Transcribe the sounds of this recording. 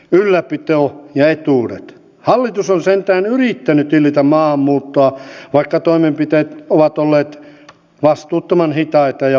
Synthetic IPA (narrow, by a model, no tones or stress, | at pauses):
ylːæpit̪oːjɑet̪uːrḛt̪ | hɑlːit̪usonsent̪æːnyrit̪ːænyt̪ilːˑit̪æmmɑːmːuːt̪ːoɑʋɑikːɑt̪oimempit̪eːt̪oʋɑt̪olːeːt̪ | ʋɑst̪uːt̪ːɑmɑnhit̪ɑit̪ɑjɑ